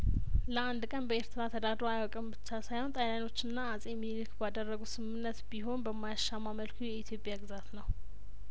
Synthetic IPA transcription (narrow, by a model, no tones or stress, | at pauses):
ləand̪kʼənbəe̞ɾt̪ʰɨɾat̪ʰəd̪ad̪ɾoajwɔkʼəmbɨt͡ʃːasajhont̪ʼajlano̞t͡ʃːɨnːaːsʼemilkbad̪ərːəɡusɨmɨnːət̪biɦo̞nbəmːajaʃːamːaməlkʰujɛit̪ʰjo̞pʼjaɡɨzat̪nəw